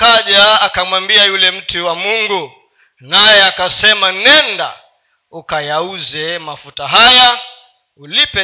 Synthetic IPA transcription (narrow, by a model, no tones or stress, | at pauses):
kaʄaːkamwambiajulɛm̩tuwamuŋɡu | najɛakasɛmanɛnda̰ | ukajauzɛmafutaɦaja | ulipɛ